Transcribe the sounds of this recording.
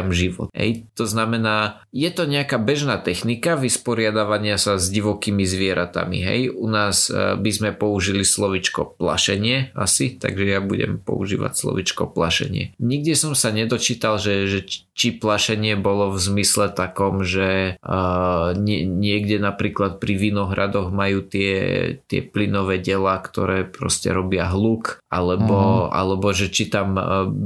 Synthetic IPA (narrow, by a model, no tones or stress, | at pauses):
mʒiʋɔ̰t̪ɦɛ̰jt̪ɔznamɛnaː | jɛt̪ɔɲɛakaːbɛʒnaːt̪ɛxnikaʋispɔɾɪad̪aʋaɲɪasazɟiʋɔkiːmizʋɪɛɾat̪a̰mḭɦɛ̰junaːzbizmɛpɔuʒilislɔʋit͡ʃkɔ̰pla̰ʃɛɲɪɛa̰sit̪a̰ɡʒɛjabuɟɛ̰mpɔ̰ṵʒḭːʋa̰cslɔ̰ʋit͡ʃkɔ̰plaʃɛ̰ɲɪɛ̰ɲiɡ̚dɪɛsɔmsaɲɛd̪ɔt͡ʃiːt̪alʒɛʒɛt͡ʃiplaʃɛɲɪɛbɔlɔvzmislɛt̪akɔmʒɛ | ɲɛɲɪɛɡɟɛnapɾiːklat̪̚pɾiʋinɔɦɾad̪ɔɣmajuːt̪ɪɛ̰t̪ɪɛ̰plinɔʋɛːɟɛlaːkt̪ɔɾɛːpɾɔ̰scɛ̰ɾɔbɪaɦluːkʔalɛbɔa̰lɛbɔʒɛt͡ʃit̪am